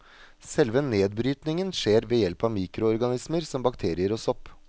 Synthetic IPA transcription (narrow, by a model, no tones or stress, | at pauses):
sɛlʋəneːd̪bɾyːt̪nɪŋənʂeːɾʋeːjɛlpɑʋmiːkɾʊɔɾɡɑnɪsməɾsɔmbɑkt̪ʰeːɾɪəɾɔsɔpː